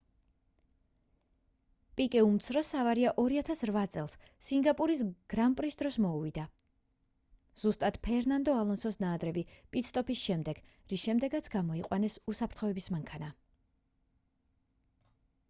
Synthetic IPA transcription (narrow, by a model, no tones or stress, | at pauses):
pʼikʼɛumt̪sʰɾɔsavaɾiaʔɔɾiat̪ʰasɾvat̪sʼɛlˠs | siŋɡapʼuɾisɡ̥ɾampʼɾisd̪ɾɔsmɔuvid̪a | z̥ust̪ʼat̪pʰɛɾnand̪ɔalˠɔnsɔsnaːd̪ɾɛbipʼit̪sʰt̪ʼɔpʰisʃɛmd̪ɛɡ̥ | ɾisʃɛmd̪ɛɡat̪sʰɡamɔiqʼwanɛsusapʰɾt̪χɔɛbismaŋkʰana